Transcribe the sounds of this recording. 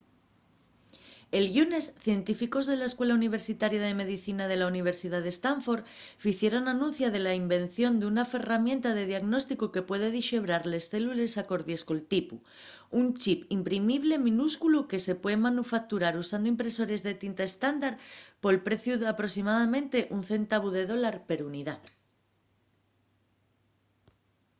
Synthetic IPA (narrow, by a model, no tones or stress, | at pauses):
e̞lʝune̞sθje̞nt̪ifiko̞zð̞e̞laeskwe̞launiβ̞e̞ɾsit̪aɾjaðe̞me̞ðiθinað̞e̞launiβ̞e̞ɾsiðaðe̞st̪aɱfo̞ɾfiθje̞ɾo̞nanũnθjað̞e̞laimbẽ̞n̟θjo̞nd̪eunafe̞ramjẽ̞nt̪aðe̞ðjaɣno̞st̪ikoke̞pwe̞ðe̞ð̞iʃe̞β̞ɾaɾle̞sθe̞lule̞sako̞ɾðjesko̞lt̪ipu | unt͡ʃipimpɾimiβ̞le̞mĩnuskuluke̞se̞pwe̞ðemanufak̚t̪uɾaɾusand̪oimpɾe̞so̞ɾe̞zðe̞t̪int̪aest̪and̪aɾpo̞lpɾe̞θjuðeapɾo̞simaðamẽnt̪e̞ʔun̟θe̞nt̪aβ̞uðe̞ðo̞laɾpe̞ɾuniða